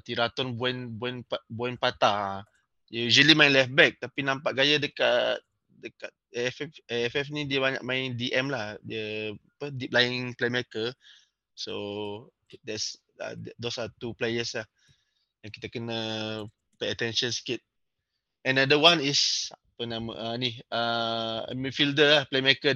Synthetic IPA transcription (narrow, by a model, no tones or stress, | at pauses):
t̪iɾat̪ɔnbuɛnbuɛnpabɔɛnpat̪a | jjuzəlimãɪ̃nlɛfbɛk̚t̪apinãmpaʔɡajədəkat̪̚ | dəkat̪̚ɛfɛfɛɛfɛfnĩdiəbaɲa̰ʔ̚mãɪndiʔɛmlahdiəpədip̚laiŋplemɛkə | so | dɛts | a̰ddosat̪uplejəslah | dãŋki̥t̪əkənə | pejət̪ɛ̃nʃə̃nskit̪̚ | ɛ̃nadəwanisapənãmə̰ʔaniaə̰mifildəlahplemɛkə